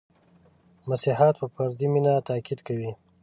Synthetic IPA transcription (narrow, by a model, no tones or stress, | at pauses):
masihat̪̚pəpaɾd̪iminat̪akid̪kawi